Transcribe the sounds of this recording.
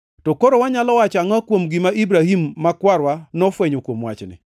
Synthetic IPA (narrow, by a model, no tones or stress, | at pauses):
tɔkoɾowaɲalɔwat͡ʃaŋwakwomɡimaʔibɾahimːakwaɾwanɔfweɲokwomwa̰t͡ʃnɪ̰